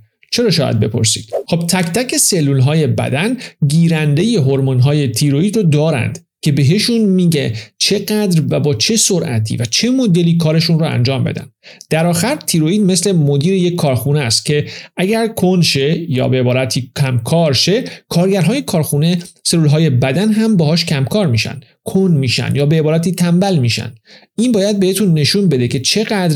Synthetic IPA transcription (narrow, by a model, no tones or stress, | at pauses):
t͡ʃʰe̞ɾɒːʃɒːjæ̰d̪̚be̞̰pʰo̞̰ɾsḭːd̪̥xob̚t̪ʰæct̪æcʰe̞se̞lːuːlɦɒːje̞bæ̰d̪ænɟiːɾænd̪e̞je̞ɦoɾmonɦɒːje̞t̪ʰiɾoiːd̪ɾod̪ɒːɾæ̰nd̪̥ | cʰe̞be̞ɦe̞ʃunmiːɟet͡ʃʰe̞ɢæd̪ɾvæbɒːt͡ʃʰe̞soɾʔæ̰t̪ʰḭvæt͡ʃʰe̞mod̪e̞liːkʰɒːɾe̞ʃunrɔæ̰nd͡ʒɒːmbe̞̰d̪æ̰nd̪̥d̪̥æɾɒːxæɾt̪ʰiɾoiːd̪me̞sle̞mod̪iːɾeje̞cʰːɒːɾxunest̪̚cʰe̞ʔæɟæɾkʰonʃe̞jɒ̰ːbeebɒːɾæt̪ʰiːkʰæmkʰɒːɾʃe̞kʰɒːɾɟæɾɦːje̞kʰɒːɾxune̞se̞luːlɦɒːje̞bæd̪ænɦæmbɒːɦhɒːʃcʰæmkʰɒːɾmiːʃæ̰nd̪̥ | kʰonmiːʃæ̰nd̪jɒːbe̞ebɒːɾæt̪iːt̪ʰæmbælmiːʃæ̰nd̪̥ | inbɒːjæd̪̚be̞het̪ʰunːe̞ʃunbe̞d̪e̞cʰe̞t͡ʃʰe̞ɣæd̪ɾ